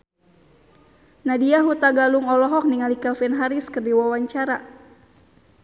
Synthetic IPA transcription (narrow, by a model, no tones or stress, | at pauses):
nadiaɦut̪aɡaluŋɔlɔɦɔk̚niŋalikɛlfɛnɦaɾiskərdiwawaɲt͡ʃaɾa